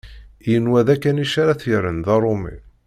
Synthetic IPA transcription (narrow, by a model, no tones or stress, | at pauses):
ijənwæðækːæniʃaɾaθjəɾənðɑɾˤomḭ